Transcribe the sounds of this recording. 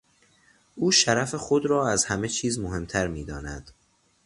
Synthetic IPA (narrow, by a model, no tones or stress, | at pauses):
ʔuːʃæɾæfexod̪ɾɒːæzhæme̞t͡ʃʰiːzmoɦe̞mt̪ʰæɾmiːd̪ɒːnæd̪̥